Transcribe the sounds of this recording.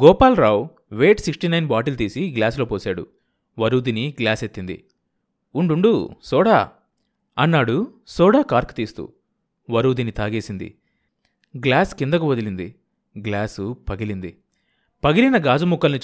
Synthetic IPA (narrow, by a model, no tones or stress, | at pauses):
ɡɔːpaːlɾaːw | ʋeːʈsiksʈinɐjnbaːʈilt̪iːsiɡlaːslo̞ːpoːsaːɽṵ | ʋɐɾuːd̪iniɡlaːset̪ːind̪ḭ | uɳɖuɳɖusɔːɽaː | ɐnːaːɽusɔːɽaːkaːɾkt̪iːst̪ṵ | ʋɐɾuːd̪init̪aːɡeːsind̪ḭ | ɡlaːskind̪ɐkuʋɐd̪ilind̪ḭ | ɡlaːsupɐɡilind̪ḭ | pɐɡilinɐɡaːd͡ʒumukːɐlnit͡ʃ